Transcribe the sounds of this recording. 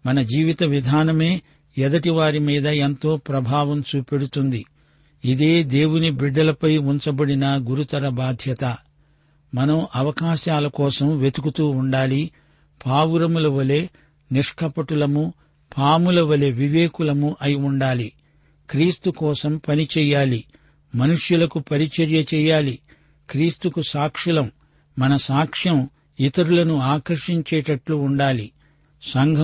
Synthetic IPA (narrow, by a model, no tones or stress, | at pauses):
mɐnɐd͡ʒiːʋit̪ɐʋid̪ʱaːnɐme̞ː | ɛd̪ɐʈiʋaːɾimiːd̪ɐent̪o̞ːpɾɐbʱaːʋɐmt͡ʃuːpe̞ɽut̪und̪i | id̪e̞ːd̪e̞ːwunibiɖːɐlɐpɐjuɲt͡ʃɐbɐɽinɐɡuɾut̪ɐɾɐbaːd̪ʱjɐt̪ɐ | mɐnɐmʔɐʋɐkaːʃaːlɐkɔːsɐmʋe̞t̪ukut̪uːuɳɖaːli | pʰaːwuɾɐmulɐʋɐle̞ː | niʂkʰɐpɐʈulɐmu | pʰaːmulɐʋɐleʋiʋeːkulɐmuʔɐjiuɳɖaːli | kɾiːst̪ukɔːsɐmpɐnit͡ʃɛːjaːli | mɐnuʂjulɐkupɐɾit͡ʃɐɾjɐt͡ʃɛːjaːli | kɾiːst̪ukusaːkʂilɐmː | ɐnɐsaːkʂjɐm | it̪ɐɾulɐnuaːkɐɾʂiɲt͡ʃɛːʈɐʈluːɳɖaːli | sɐŋɡʱɐ